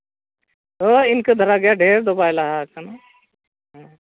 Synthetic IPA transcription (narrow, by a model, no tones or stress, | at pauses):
t̪oɪnked̪ʱəɾaɡɐjaɖʱeːɾd̪obaːjlaɦakana | ɦ